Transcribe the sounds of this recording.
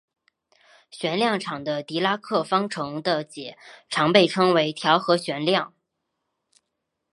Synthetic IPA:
ɕɥɛ˧˥nljɑ˥˩ŋʈ͡ʂʰɑ˨˩ŋd̪ə˦t̪i˧˥la˥kʰɤ˥˩fɑ˥ŋʈ͡ʂʰɤ˧˥ŋd̪ə˧t͡ɕjɛ˨˩˦ʈ͡ʂʰɑ˧˥ŋpe˥˩ɪʈ͡ʂʰɤ˥ŋwe˧˥ɪt̪ʰjɑ˧˥ʊxɤ˧˥ɕɥɛ˧˥nljɑ˥˩ŋ

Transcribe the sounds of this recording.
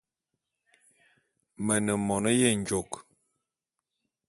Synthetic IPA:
mə˨nə˨mɔ˨nə˦je˦˨ɲd͡ʒo˨k

